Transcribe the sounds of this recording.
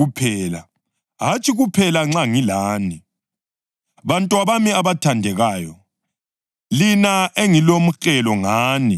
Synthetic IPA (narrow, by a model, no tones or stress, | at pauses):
upʰɛːla | ɦat͡ʃʼiɣupʰɛlaŋ͡ǁaŋilaːni | βantʼwaβamiaβatʰandʱɛɣaːjɔ | linaʔeŋilom̩xɛlɔŋaːni